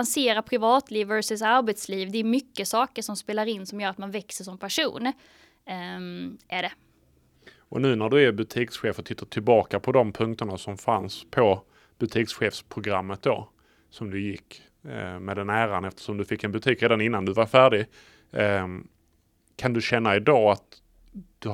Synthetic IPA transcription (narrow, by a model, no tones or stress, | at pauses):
anseːɾapʰɾɪvɑːt̪liːvæɾʂəsaɾbɛt̪sliːvd̪ɛːɾmʏkːəsɑːkəʂɔmspeːlaɾɪnːsɔmjœːɾat̪̚manvɛksəʂɔmpʰæʂṵːn | ʔæɖɛ | ʔɔ̰nʉ̟ːnæɖɵæɾbɵt̪ʰiːksɧeːfɔt̪ʰɪt̪ːaʈʰɪlbɑːkapʰɔd̪ɔmpʰɵŋkt̪əɳasɔmfa̰nspʰɔ | b̥ɵt̪ʰiːksɧeːfspʰɾʊɡɾamːət̪̚d̪o̰ː | sɔmd̪ɵjɪkː | mɛːd̪ɛnæːɾanɛft̪ə̥ʂɔmd̪ɵfɪkːɛnbɵt̪ʰiːkɾeːd̪anɪnːand̪ɵvaɾfæːɖɪ | kʰand̪ɵɕɛnːaɪd̪ɑːat̪ | d̪̥ɵ